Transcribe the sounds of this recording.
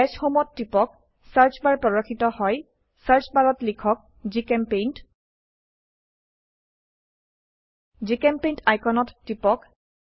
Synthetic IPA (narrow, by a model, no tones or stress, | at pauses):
ɛsxomɔtːipɔk | saɹt͡ʃbaɹpɹɔɹɔkʰːitɔhɔj | saɹt͡ʃbaɹɔtlikʰɔk̚ | zikɛmpent | zikɛmpejntajkʰɔnɔtːipɔk